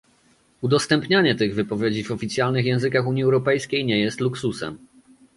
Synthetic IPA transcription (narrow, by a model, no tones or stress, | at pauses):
ud̪ɔst̪ɛmpɲaɲɛt̪ɘɣvɘpɔvʲjed͡ʑivɔfʲit̪sʲjalnɘxjɛ̃w̃zɘkaxuɲiɛwɾɔpɛjskʲejɲɛjɛst̪luksusɛ̰m